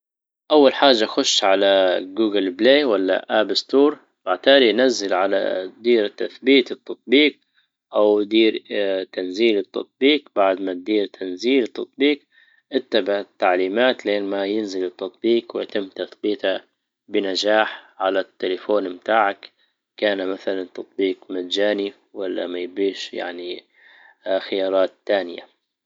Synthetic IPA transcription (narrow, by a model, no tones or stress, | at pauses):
ʔawːalħaːd͡ʒːaxʊʃːʕalaɡuːɡɪlbleːwalːa̰ʔabɪst̪uːɾˤ | baʕt̪aːlijnazːɪlʕala̰d̪iːɾt̪aθbiːt̪ɪt̪ːɑt̪̚ˤbiːq̚ | ʔawd̪iːɾt̪anziːlɪt̪ːɑ̰t̪̚ˤbiːqbaʕd̪mat̪̚d̪iːɾt̪ʰanziːlɨt̪ːɑt̪̚ˤbiːq | ʔɪt̪ːabaʕt̪ːaʕliːmaːt̪leːnmajɪnzɪlɨt̪ːɑt̪ˤbiːqwɪjat̪ɪmːt̪aθbiːt̪ha | bɪnad͡ʒaːħʕalat̪ːɪlafoːnmt̪aːʕak | kaːnmaθalant̪ɑt̪ˤbiːqmat̪d͡ʒaːni | walːa̰majbiːʃja̰ʕni | xɪjɑːɾˤɑːt̪ːaːnɪja̰